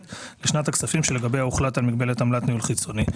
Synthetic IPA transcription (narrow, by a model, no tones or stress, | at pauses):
tleʃnataksafimʃele̞ɡabejauχlatalmiɡbe̞letamlatniulχit͡so̞ni